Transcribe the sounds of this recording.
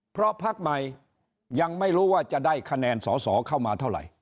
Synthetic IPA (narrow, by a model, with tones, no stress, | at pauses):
pʰɾɔ˦˥pʰa˦˥k̚ma˧j | ja˧ŋma˥˩jɾuː˦˥waː˥˩t͡ɕa˨ʔdaː˥˩jkʰa˧nɛː˧nsɔː˩˦sɔ̰ː˩˦kʰa˥˩wmaː˧t̪ʰa˥˩wɾa̰˨˩j